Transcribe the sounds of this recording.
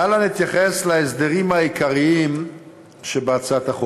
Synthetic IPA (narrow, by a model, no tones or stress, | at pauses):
alanit̪jaχe̞slees̬d̪eʁimhaikʰaʁiim | ʃebeat͡sat̪aχo